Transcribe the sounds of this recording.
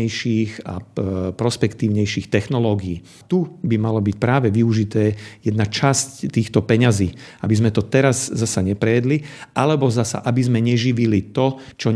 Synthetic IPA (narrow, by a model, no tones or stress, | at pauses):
ɛjʃiːɣa̰pɾɔspɛkt̪iːʊɲɛjʃiːxt̪ɛxnɔlɔːɡiiː | t̪ubimalɔbic̚pɾaːʋɛʋiuʒit̪ɛːjɛd̪nat͡ʃasct̪iːxt̪ɔpɛɲaziːabizmɛt̪ɔt̪ɛɾazzasaɲɛpɾɛjɛd̪liʔalɛbɔzasa̰ʔabizmɛɲɛʒiʋilit̪ɔt͡ʃɔ